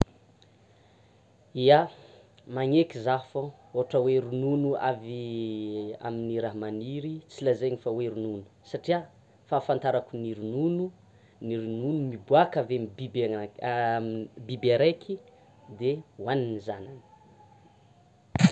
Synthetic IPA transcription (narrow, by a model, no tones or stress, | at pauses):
ia | maŋekizafo | oaʈ͡ʂəweɾununua̰vi | a̰miniɾaɦmaniɾit͡silazeɲifaweɾununu̥saʈ͡ʂia | faːfant̪aɾakuniɾununu | niɾinunumibuakavembib | bibaɾejkʰi | d̪ewaninizananə̥